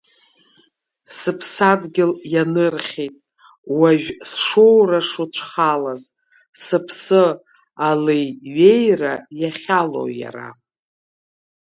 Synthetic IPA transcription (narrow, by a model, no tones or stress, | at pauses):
sɨpʰsadɡʲɪljanɨrχʲejtʼ | waʒᶣsʂowraʂut͡ʃʷʰχalaz | sɨpʰsɨ | alejɥejrajaχʲalo̰wja̰ɾa̰